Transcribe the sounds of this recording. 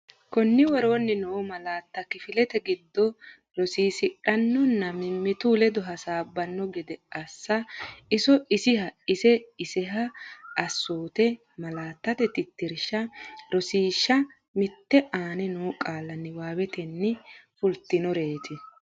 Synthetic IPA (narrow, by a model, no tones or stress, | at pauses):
kɔnːɪwɔɾo̞ːnːɪnoːmɐlaːt̪ːɐkɪfɪlɛt̪ɛɡɪd̪ːɔ | ɾɔsiːsɪᶑɐnːɔnːɐmɪmːɪt̪uːlɛd̪ɔɦɐsaːbːɐnːɔɡɛd̪ɛɐsːɐɪsɔɪsɪhɐɪsɛɪsɛɦɐːsːoːt̪ɛ | mɐlaːt̪ːɐt̪ɛt̪ɪt̪ːɪɾʃɐɾɔsiːʃːɐ | mɪt̪ːɛʔaːnɛnoːkʼaːlːɐnːɪwaːwɛt̪ɛnːɪfʊlt̪ːɪnɔɾeːt̪ʰɪ